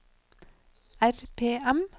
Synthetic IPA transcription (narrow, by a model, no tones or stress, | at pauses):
æɾpʰeːɛm